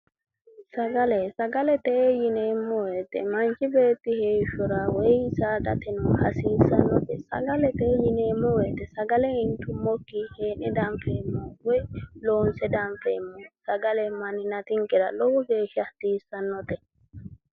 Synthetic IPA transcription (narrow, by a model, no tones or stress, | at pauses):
saɡalɛsaɡalɛt̪ɛjinɛmːɔwɛt̪ɛ̰maɲt͡ʃibeːt̪ːihɛʃɔɾawɛjsadat̪ɛnɔhasiːsanːɔtɛsa̰ɡalɛt̪ɛjinɛmɔwɛt̪ɛsaɡalɛintumokːihɛːnɛdamfɛmːɔwɛlɔnsɛdaɱfɛ̰mːɔsaɡalɛmaninat̪iŋkʼɛɾa̰lɔwɡɛʃaht̪iːsanːɔt̪ɛ